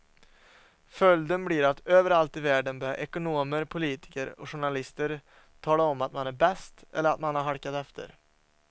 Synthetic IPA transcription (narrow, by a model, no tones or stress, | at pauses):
fœld̪ənbliːɾat̪øːvəɾalt̪ɪvæːɖənbœːɾa̰ʔɛkʊnoːməɾpʰʊliːt̪ɪ̥kəɾɔ̰ɧʊɳalɪst̪əɾ | t̪ʰɑːlaɔmːat̪manæɾbɛst̪ɛlːəɾat̪manhaɾɦaɾkat̪ɛft̪ʰə̰ɾ